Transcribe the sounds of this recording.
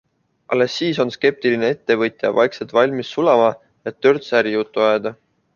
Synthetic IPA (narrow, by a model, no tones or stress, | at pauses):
ʔɑ̰lːe̞sːiːso̞nske̞p̚t̪iline̞e̞t̪ːe̞vɤt̪ʲˑjɑvɑ̰jkset̪vɑlʲmisːulɑmɑ | et̪ːø̞rt̪sæɾijut̪ːuɑed̪̥ɑ